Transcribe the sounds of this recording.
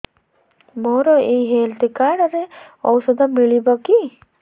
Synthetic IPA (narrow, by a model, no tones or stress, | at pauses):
moɾɔeɦelt̪ikaɖɔɾeɔwsɔd̪ʱɔmiɭibɔki